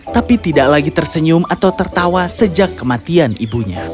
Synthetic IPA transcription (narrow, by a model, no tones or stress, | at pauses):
t̪apit̪idaʔlaɡit̪ərsəɲʊmat̪awt̪ərt̪awasəd͡ʒakːəmat̪ianibuɲa